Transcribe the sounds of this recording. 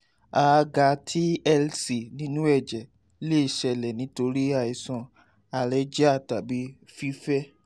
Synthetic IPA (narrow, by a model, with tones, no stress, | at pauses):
a˨˧ɡa˧tʰi˦ɛ˦lsi˨nĩ˦nũ˦ɛ˦˨d͡ʒɛ˨ | le˦i˨ʃɛ˧lɛ˨nĩ˨˦to˧ɾi˦a˧˨i˨sɔ̃˧ | a˨lɛ˨˦d͡ʒɛ˦a˦˨ta˨bi˨˦fi˦fɛ˦